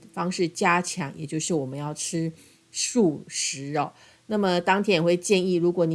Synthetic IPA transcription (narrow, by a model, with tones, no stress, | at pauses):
fɑ˥ŋʂɻ̩˥˩t͡ɕja˥t͡ɕʰjɑ˧˥ŋjɛ̰˨˩t͡ɕjo˥˧ʊʂɻ̩˥˩wɔ˨˩mə˦njɑ˥˩ʊʈ͡ʂʰɻ̩˥ | ʂu˥˩ʂɻ̩˧˥ɔ˥˧˩ | na˥˩mə˩t̪ɑ˥ŋt̪ʰjɛ˥njwe˥˧ɪt͡ɕjɛ˥˧ni˥˩ɻu˧˥kwɔ˧˥ni˨˧